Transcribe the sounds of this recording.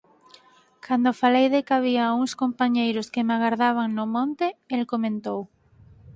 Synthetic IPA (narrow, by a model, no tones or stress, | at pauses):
kʰand̪ofalejðekaβiauŋskompaɲejɾoskemaɣaɾðaβ̞aŋnomõnt̪eelkomẽnt̪ow